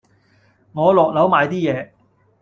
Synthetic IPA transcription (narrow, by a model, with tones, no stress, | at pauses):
ŋɔː˨˧lɔː˨k̚lɐ˨˥wmaː˨˧jt̪iː˥jɛː˨˧